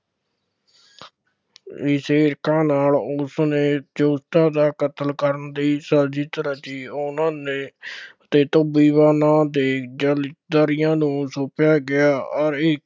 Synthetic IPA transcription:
ɪseːɪɾkãːnaːlʊsnẽːd͡ʒoːst̪ãːd̪aːkət̪əlkəɾənd̪iːsaːd͡ʒiːt̪əɾaːt͡ʃiːʊnãːneːət̪eːt̪oːbiːbaːnãːd̪eːd͡ʒəld̪aːɾɪjãːnũːsoːpjaːɡɪaːɔɾɪk

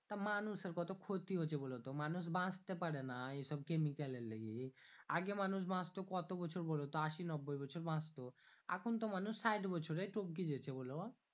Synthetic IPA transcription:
t̪amanuʃeɾkɔt̪okʰot̪iɦot͡ɕʰebolot̪omanuʃ̬bʱãst̪epaɽenaeʃɔbkemikaleleɡia̰ɡemanuʃ̬bʱãst̪okɔt̪obɔt͡ɕʰoɾbolot̪oaʃinɔbːojbɔt͡ɕʰoɾbʱãst̪oa̰kʰont̪omanuʃːajʈbɔt͡ɕʰoɾeʈop̚k̬id͡ʑet͡ɕʰebɔlo

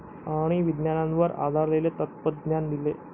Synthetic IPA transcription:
aɽ̃iʋid̪njanãnʋəɾa̰d̪ʱaɾlelet̪ət̪̚pət̪̚ɡnand̪ile

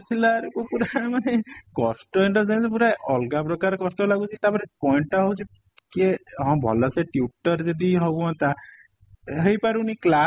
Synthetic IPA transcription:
t͡ʃʰilaɾokopuɾamanekɔsʈɔiɳʈɔɾd͡ʒenspuɾajʔɔlɡapɾɔkaɾkɔsʈɔlaɡut͡ʃʰiet̪apɔɾepɔjɳʈɔɦowt͡ʃʰi | keɦɔ̃bʱɔ̰lɔseʈjuʈɔɾd͡ʒed̪iɦoãt̪a | ɦejpaɾunikla

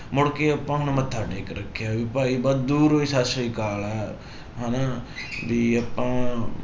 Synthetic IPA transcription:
mʊɽkeɐpːãːɦʊnmət̪ʰːaːʈeːkɾəkʰːjaʋɪpaːibɔd̪d̪uːɾoisaːsoikaːlɛː | ɦanabiɐpːãː

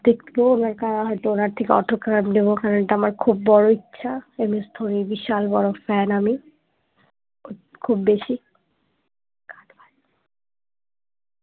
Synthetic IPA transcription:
d̪ekt̪iboonaɾkaɾaɦɔjt̪uonaɾt̪ʰikeɔ̰ʈʰoɾkːakabnebokaɾonʈaamaɾkʰubːɔɽoitːɕʃʰaemest̪ʰoɾibiʃalbɔɽofɛnami | kʰubːeʃi | kaʈ̪bʱa

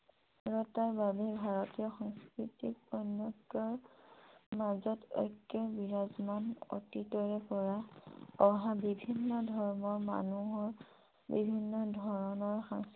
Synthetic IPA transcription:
ɹɔtaɹbabɛbʱaɹɔtijɔxɔŋskɹitikɔjnjɔkːɔɹ | mazɔtɔ̰kːɔɹbiɹazmano̰titɔɹɛpɔɹaɔɦabibʱinːɔdʱɔɹmɔɹma̰nuɦɔɹ | bḭbʱinːɔdʱɔɹɔnɔɹxa̰ŋs

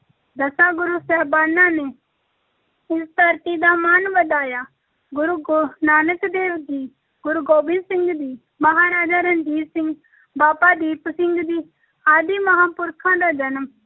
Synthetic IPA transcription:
d̪ɐsaːɡʊɾuːsɛːbaːnːãːne | ɪst̪əɾt̪id̪aːmaːnbəd̪aːjaː | ɡʊɾuɡnaːnəkd̪eːʋd̪iː | ɡʊɾuɡoːbɪ̃nsɪ̃ŋɡd̪iː | mɐɦaːɾaːd͡ʒaːɾənd͡ʒ̪iːsɪ̃ŋɡ | baːpaːd̪iːpsɪŋɡd̪iː | aːd̪iːmɐɦaːpʊɾkʰãːd̪aːd͡ʒɐnm

